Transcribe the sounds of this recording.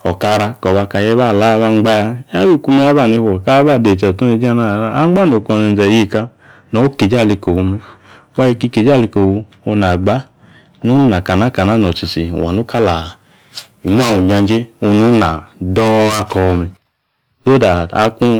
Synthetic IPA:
ɔ˨ka˧ɾa˧kɔ˨ba˧ka˧˨jɛ˦βa˦˨la˦βa˧ŋ͡mɡ͡ba˦ja˧˦a˦bi˦˨ku˧me˦a˦ba˦˨ni˧hɔ˨ka˦ba˦˨de˨t͡ʃa˨tu˦ni˧˦d͡ʒa˦na˦˨a˦a˦ŋ͡mɡ͡ba˦no˨kɔ˧˨ne˧n˨zɛ˨je˦˨ka˧ | nɔ˨˦o˦ke˨d͡ʒa˦˨li˧ko˨hu˧me˧ | wa˦ji˧ki˦˧ke˨d͡ʒa˦˨li˧ko˨wu˧ | o˧na˨ɡ͡ba˦ | nu˦na˨ka˨na˦ka˨na˦nɔ˨t͡ʃi˨t͡ʃḭ˨a̰˨nu˦ka˦la˨ | i˨m˦a˦˨u˨ɲa˧nd͡ʒe˦o˧nu˦na˨dɔ˦a˧kɔ˨˧me˨ | do˦da˨a̰˦ku˦

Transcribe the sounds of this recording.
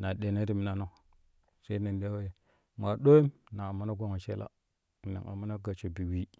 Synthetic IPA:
na˨ɗe˨na˦ɾi˦mi˨na˨no˨ | sa˦i˦na˨n˨de˦we˨ | ma˨ɗo˦ji˦mna˨a˨ma˦na˦ɡʷo˦ŋa˨ʃḛ˦la̰˦˨ | nḛ˨a̰˨ma˦na˦ɡa˨t͡ʃe˨bi˨wi˦

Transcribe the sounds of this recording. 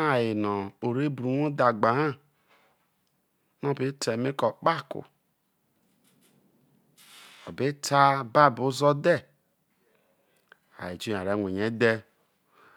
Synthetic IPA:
a˨ji˨nɔ˨o˨ɾe˦bɾu˨no˦da˨ɡ͡ba˨hã˦˨ | nɔ˦˨bi˨˦tʰe˨mi˦kɔ˨k͡pa˦kṵ˨ | ɔ̰˨be˦tʰa˦ba˦˨bu˨˦zɔ˦dɛ˦˨ | a̰˨ji˨d͡ʒu˦˨a˨ɾe˨˦ŋʷe˨ɲe˦de˦

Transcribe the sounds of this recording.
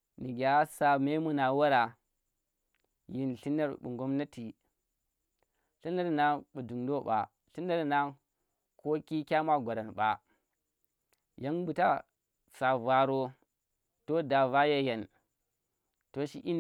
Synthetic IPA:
ni˨ɡʲa˨˦sa˨me˦mu˨na˨wa˦ɾa˨ | ji˨nɬi˦na˦ɾɓṵ˨ŋɡo˦mna˦ti˨ | ɬi˦na˦ɾna˦ɓu˨du˨ŋdo˦ɓa̰˨ | ɬi˦na˦ɾna˦ | ko˦ki˦kʲa˦ma˦ɡʷa˨ɾa˨nɓa̰˨ | ja˦nbu˨ta˦ | sa˨va˨ɾo˦ | to˦da˨va˦je˦ja˨n | to˦ʃḭ˦ʔi˦n˦

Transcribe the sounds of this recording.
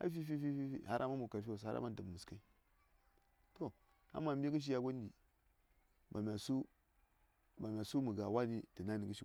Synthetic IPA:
a̰˦fi˦fi˦fi˦fi˦fi˦ha˦ɾʔa̰˦ma˦mu˨ka˨ɾfwo˨sa˦a̰˦ma˦n˨də˨mu˨ska˦i˦ | to˦˨ | a̰˦mːa˨m˦i˦ɡi˦ʃ̬i˦ja˦ɡo˦n˦di˨ | ma˨mʲ˨a˨su˦ | ba˨mʲ˨a˨su˦mu˨ɡa˨wa˦ni˦tə˨na˦ni˨ɡə˦ʃi˦

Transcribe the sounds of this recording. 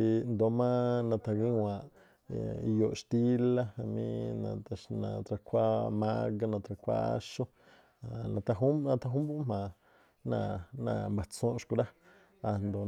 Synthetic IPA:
i˧nd̪o˨mã˦nã˧t̪a˧ɡĩ˦wã˨ʔ | jo˨ʔʃt̪i˦la˦a˧mḭ̃˦nã̰˧˨˧nã̰˧˨t̪ɾa˧kʷa˦ma˦ɡa˦nã˧t̪ɾa˧kʷa̰˦ʃu˦ | a˨nã˧t̪a˧ɦu˦nã˧t̪a˧˦ɦũ˦mbu˦ʔm̥ã˨ | nã̰˧˨nã̰˧˨mba˨t͡sõː˦ʔʃkʷu˧ɾa˦ | a˨nd̪o˨

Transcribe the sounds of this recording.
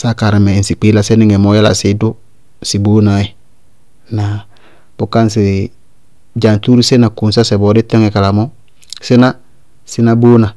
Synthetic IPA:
sa˦ka˨ɾi˨me˨i˨nsi˨k͡pi˦la˨se˦ni˦ŋe˨mo˦ja˦la̰˨si˦du˦ | si˨boː˦na˨i˨ | na˨ | b̥u˦ka˦ns̬i˨ | d͡ʒa˨nt̪u˦ɾi˦se˦na˨ku˨nsa˦se˨bɔ˨˦di˦te˦ŋe˨ka˨la˨mo˦ | si˦na˦ | si˦na˦bo˦na˨

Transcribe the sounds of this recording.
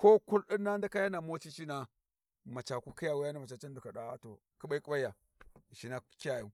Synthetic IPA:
ko˦ku˦lɗi˦nːa˦n˦da˦ka˦ja˦na˨mo˦t͡ʃi˦t͡ʃi˦na˨ | ma˨t͡ʃa˨ku˦ka˦ja˨wa˦ja˦na˦ma˨t͡ʃa˨t͡ʃa˦n˦du˨ka˨ɗa˦wa˦to˨ | ku˦ba˦i˦kʼu˦ɓa˦jːa˨ | ʃi˦na˦ki˦a˨ju˨˦

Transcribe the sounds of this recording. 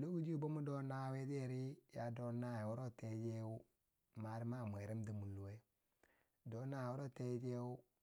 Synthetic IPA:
lo˦ɡu˦d͡ʒi˦˨bo˦mu˦do˦na˦we˦de˦˨ɾi˦ja˨do˦na˦˨wo˦ɾo˦˨te˦d͡ʒe˦wu˦ | ma˨ɾi˦ma˦˨mʷ˨e˨ɾi˦mdi˨mu˨lːu˨we˦ | do˨˦na˦˨wo˦ɾo˦˨te˦d͡ʒe˦u˦

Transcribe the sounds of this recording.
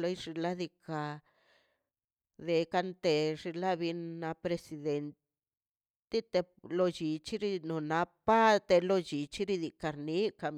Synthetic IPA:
lo˧˦jʐi˧la˦d̪i˧ka˧ | d̪e˨ka˧nt̪e˧ʐi˧la˦βi˧nːa˧pɾe˧si˧d̪e˨nt̪ | d̪i˦t̪e˧ | lo˧t͡ʃi˨t͡ʃi˦ɾi˧no˨na˧˦pa˦t̪e˧lo˧d͡ʒi˨t͡ʃi˦ɾi˦˧d̪i˨˧ka˨ɾni˨˦ka˨m

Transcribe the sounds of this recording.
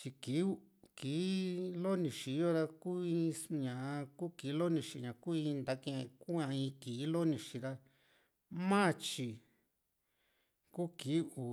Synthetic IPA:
t͡ʃi˧ki˨˦u˦ | kiː˨˦lo˦nĩ˨ʃi˨˦o˦ɾa˧ku˦i˧ɲã˨˧ku˦ki˨˦lo˦nĩ˧ʃi˧˨ɲã˨ku˦ĩ˧nd̪a˧˦kẽ˧ku˦ã˧ĩ˧kiː˨˦lo˦nĩ˧˨ʃi˧ɾa˧ | mã˦˧t͡ʃi˧ | ku˦ki˨˦u˨

